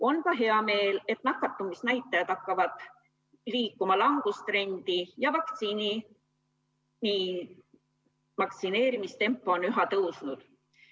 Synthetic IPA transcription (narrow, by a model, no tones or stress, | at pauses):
o̞nkɑɦe̞ɑme̞ːle̞t̪nɑkːˑɑt̪ːˑumisnæjt̪ˑːɑjɑd̪̥ɑkːˑɑvɑd̪̥ | liːkːˑumɑlɑŋɡ̥ust̪ɾe̞nʲd̪̥ijɑvɑkt̪siːni | ni | mɑkt̪sine̞ːɾimist̪e̞mpːˑoonyɦɑt̪ɤwsnud̪̥